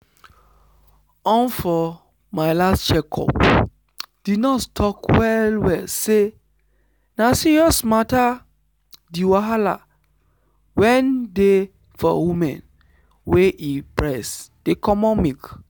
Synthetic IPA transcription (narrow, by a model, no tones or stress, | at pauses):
ɔ̃nfɔ | maɪlast͡ʃɛkʰɔ̰p | d̥inɔttʰɔkwɛlwɛlse | nasiɹiɔsmata | diwaɦala̰ | wɛ̃nde | fɔ̰wimɛ̰̃n | weʔipɹɛsd̥ekɔmɔ̃mik